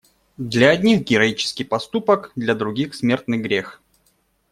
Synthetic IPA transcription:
d̪lʲɐːd̪ʲnʲixɡʲɪɾɐit͡ɕɪ̥skʲɪjpɐst̪upəkd̪lʲɐd̪ɾʊɡʲixsmʲe̞rt̪nɨɣɡɾʲex

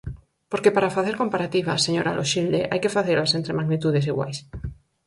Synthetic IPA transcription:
poɾkepaɾafaθeɾkompaɾat̪iβ̞a̰seɲoɾa̰lʔoʃild̪eʔajkefaθeɾasent̪ɾemaɣnit̪uð̞es̬iɣwa̰js

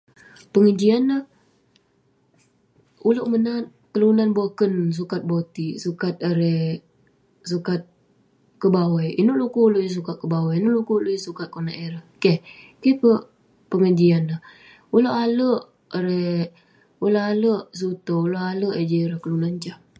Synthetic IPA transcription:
pəŋəd͡ʒianːəh | uləʔmənat̪̚kəlunanbakəns̬ukat̪̚bot̪isukat̪̚aɾɛ | sukat̪̚ | kəbawajinoʔlukuuloʔjis̬ukat̪̚kəbawainoʔlukuuloʔjsukat̪̚kona̰ʔeɾahkehkɛhpə | pəŋəd͡ʒianah | uloʔaləʔ | ɾe | uləaləʔs̬ut̪ouloʔaləʔəd͡ʒəɾakəlunant͡ʃah

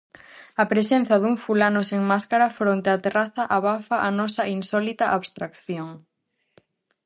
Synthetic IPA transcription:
ɐpɾesẽn̟θɐðuŋfulanoseŋmaskaɾɐfɾõnt̪eat̪eraθɐʔaβafɐʔanɔsɐʔinsɔlit̪ɐʔaβst̪ɾakθjoŋ

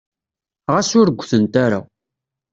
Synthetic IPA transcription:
ʁasʊɾəɡʷːθənt̪aɾa̰

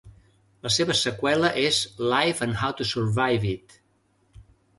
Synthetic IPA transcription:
ləseβəsəkwɛləʔezlajfə̃nhawt̪usəɾvajvit̪

